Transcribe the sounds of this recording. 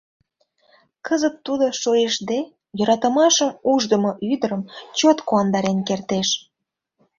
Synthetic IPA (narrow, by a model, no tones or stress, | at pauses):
kəzət̪ːud̪oʃoeʃd̪e | jøɾɑt̪əmɑʃəmuʒd̪əmoʔyd̪əɾəmt͡ɕot̪kuɑnd̪ɑɾenkert̪eʃ